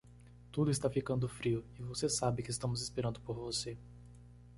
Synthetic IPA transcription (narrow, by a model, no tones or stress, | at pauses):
t̪ud̪ʊɪst̪afikɐ̃nd̪ʊfɾiʊɪvosesabɪkɪst̪ɐ̃mʊzɪspeɾɐ̃nd̪ʊpoɾvose